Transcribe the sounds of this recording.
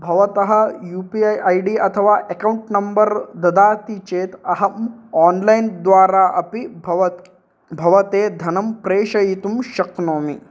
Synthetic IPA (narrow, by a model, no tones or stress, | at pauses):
bʱɐʋɐt̪ɐɦɐjuːpijajɖiːɐt̪ʰɐʋaːʔekɐuɳʈnɐmbɐɾd̪ɐd̪aːt̪it͡ʃeːt̪ɐɦɐmɔːnlajnd̪ʋaːɾaːʔɐpiʋɐt̪ | bʱɐʋɐt̪eːd̪ʱɐnɐmpɾeːʂɐjit̪umʃɐknoːmi